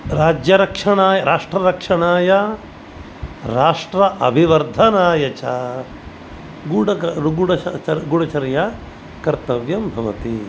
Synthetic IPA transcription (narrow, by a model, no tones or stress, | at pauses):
ɾaːd͡ʒjɐɾɐkʂɐɳaːjɐɾaːʂʈɾɐɾɐkʂɐɳaːjɐ | ɾaːʂʈɾɐʔɐbʱiʋɐɾd̪ʱɐnaːjɐt͡ʃaː | ɡuɽɐɡuɽɐɐɐɡuɽɐt͡ʃɐɾja | kɐɾt̪ɐʋjɐmbʱɐʋɐ̰t̪i